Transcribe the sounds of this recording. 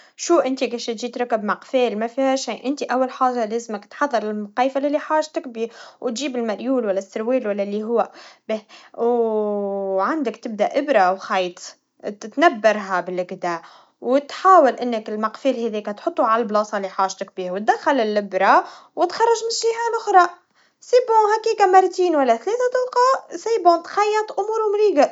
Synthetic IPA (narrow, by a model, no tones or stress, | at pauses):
ʃuːʔɪnt̪iɡeʃt̪ʒiːt̪ɾɑkːɪbmɑqfɛːlmæfihæʃiːʔɪnt̪iʔæwːælħaːʒaleːzməkt̪ħɑðˤːɑɾˤɪlmqɑːfalɪlːiħaːʒt̪ɪkbiːwt̪ʒiːbɪlmæɾjuːlwælːæsːɪɾwiːlwælːælːiɦʊwːæbew | ʕand̪əkt̪ɪb̚d̪æʔʔɪbɾawxɑjt̪ˤ | t̪t̪næbːɑɾˤɦæbɪlɪɡd̪æ | wt̪ħaːwɪlʔɪnːəkɪlmɑqfiːlhɛðiːkæt̪ħot̪ˤːuʕalælblɑːsˤɑliħaːʒt̪ɪk̚biːhwt̪̚d̪æxːælɪlːɪbɾɑwɪt̪xɑrˤːɑʒmɪnʃiʕaːnʔʊxɾˤɑʔ | sibʊhækiːkæmɑɾˤt̪iːnwælːæθlɛːθæt̪ˤɑlqɑːʔsiːbʊt̪xɑjːɑt̪ˤʔʊmuːɾwmɾiːɡa